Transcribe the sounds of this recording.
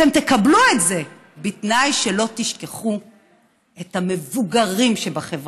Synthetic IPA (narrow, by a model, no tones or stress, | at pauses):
temt̪e̞kabluetze̞ | bitnajʃelo̞t̪iʃkeχu | et̪hame̞vuɡaʁimʃebaχevʁ